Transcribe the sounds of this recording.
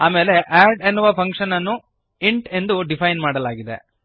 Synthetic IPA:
aːmeːle̞ʔaːɖenːuʋɐpʰɐŋkʂɐnɐnːu | iɳʈe̞nd̪uɖipʰɐjnmaːɽɐlaːɡid̪e̞̰

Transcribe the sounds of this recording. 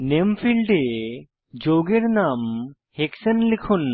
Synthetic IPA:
nempʰilɖe | d͡ʒoɡeɾnam | heksənlikʰun

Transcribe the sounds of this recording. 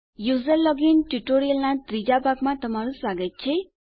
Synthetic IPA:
juzelːʌɡinʈuʈoɾijʌlnat̪ɾid͡zabaɡmat̪ʌmaɾuswaɡʌt̪̚t͡ʃʰe

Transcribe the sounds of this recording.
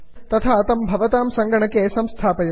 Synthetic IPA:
t̪ɐt̪ʰat̪ɐmbʱɐʋɐt̪aːmsɐŋɡɐɳɐkːesɐmst̪ʰaːpɐjɐ

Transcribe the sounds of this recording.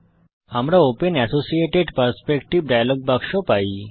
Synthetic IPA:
amɾaopenɛsosieʈeɖpəɾspekʈiʋɖajloɡ̚bʱaɡʃopai

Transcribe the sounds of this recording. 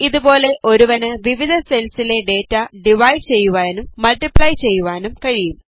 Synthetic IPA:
iðubo̞ːle̞ʔo̞ɾuʋɐnɨʋiʋid̪ʱɐse̞lsile̞ɖe̞ːtːɐɖiʋɐjɖt͡ɕe̞jːuʋaːnumːɐlʈipɭɐjt͡ɕe̞jːuʋaːnumkɐɻijum

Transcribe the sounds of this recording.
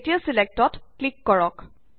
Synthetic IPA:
tiasilek̚tɔtklikːɔɹɔk

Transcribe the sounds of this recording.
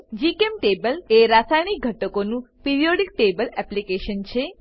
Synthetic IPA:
d͡ʒikemʈebəleɾasajɽ̃ik̚ɡʱəʈəkonũpiɾioɽik̚ʈebəlɛplikeʃənt͡ʃʰe

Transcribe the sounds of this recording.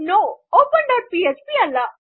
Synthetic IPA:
noːoːpəɳɖəɾpiet͡ʃpiɐlːa

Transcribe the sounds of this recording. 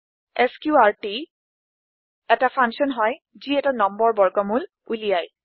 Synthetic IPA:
ɛskjuaɹti | ɛtapʰaŋsɔnɦɔj | ziɛtanɔmbɔɹbɔɹkɔmul | ulijaj

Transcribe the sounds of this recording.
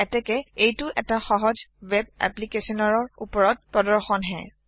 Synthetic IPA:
ɛtɛkɛejtʊʔɛtaxɔɦɔd͡ʒwɛbɛ̰plikesɔnɔɹɔɹṵpɔɹɔt̚pɹɔdɔɹxɔnɦɛ̰

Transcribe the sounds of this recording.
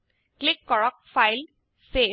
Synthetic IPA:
klɪkːɔɹɔk̚fajl | se

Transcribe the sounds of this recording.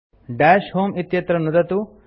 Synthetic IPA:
ɖaːʃhoːmit̪jɐt̪ɾɐnud̪ɐt̪u

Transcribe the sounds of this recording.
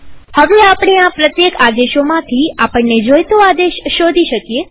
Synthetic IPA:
həʋeapɽeapɾət̪jekad̪eʃomãt̪ʰiapəɳːed͡ʒojt̪oad̪eʃːod̪ʱiʃəkje

